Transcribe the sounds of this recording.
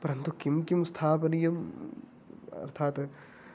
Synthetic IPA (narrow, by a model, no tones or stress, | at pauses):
pɐɾɐnt̪ukimkimst̪ʰaːpɐnijɐm | ɐ̰ɾt̪ʰaːt̪